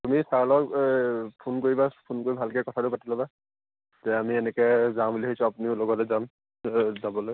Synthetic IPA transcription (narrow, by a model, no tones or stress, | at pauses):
tumisaɹlɔk | pʰunkoɹibapʰunkoɹibʱalkɛkɔtʰatʊpatilɔba | zɛamiɛnɛkɛzãmliɦisɔapuniʊloɡɔtɛzam | zabɔlo